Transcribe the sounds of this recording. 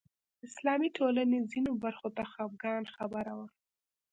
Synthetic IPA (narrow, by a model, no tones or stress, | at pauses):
ɪslɑmiʈʰolanezinobaɾxot̪axab̚ɡɑnxabaɾawə